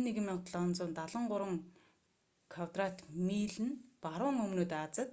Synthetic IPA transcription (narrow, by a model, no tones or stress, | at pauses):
nːeɣɘ̆miɴt̪ɮɔnt͡sʊːnt̪aɮə̆ɴɢʊɾwə̆ŋ | kʰawt̪rat̪miːɮɘ̆npaɾʊːŋɵmnoːt̪at͡sə̆t̪̚